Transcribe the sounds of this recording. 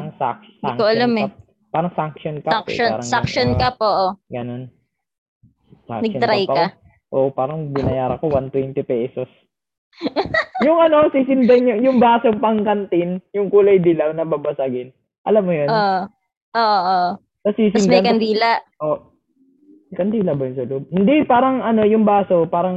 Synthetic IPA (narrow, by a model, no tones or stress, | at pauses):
aɐŋsa̰ksdaŋkoʔɐllamɛap̚ | pːaːɾɐŋsaŋkʃonkaaŋkoaːɾɐŋɡsakʃonkɐpʔoːʔoɡɐno̞n | sa̰ŋnɐɡ̚t̪ɾajkɐ | ʔoːʔopaːɾɐŋbɪnɐjaːɾɐkowant̪wɛnt̪ɪpɛsos | jʊŋʔɐno̞siːsɪnd̪ɐnjʊŋjʊŋbaːsopɐŋkɐnt̪ɪnjʊŋkuːlɐjd̪ɪlɐwnɐbɐbɐsɐɡɪn | ʔɐlamːojono | ʔoːʔoʔo | sɐsiːsɪnd̪nkɐnd̪iːlaʔʔoʔ | ŋkɐnd̪iːlɐbɐjʊnsɐlob̚hɪnd̪ipaːɾɐŋɐno̞jʊŋbaːso̞paːɾɐŋ